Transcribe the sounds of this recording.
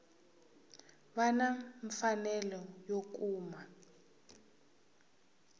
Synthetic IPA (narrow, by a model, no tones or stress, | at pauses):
βanaɱfanɛlɔjok̬uːma